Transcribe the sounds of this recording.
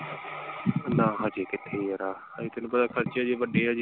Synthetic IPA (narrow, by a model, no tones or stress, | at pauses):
nãːɦãːd͡ʒiːkɪt̪ʰːeːjəɾaː | ãd͡ʒiːt̪ʰɪñːpəd̪aːkʰəɾt͡ʃad͡ʒeːbəɖeːaːd͡ʒ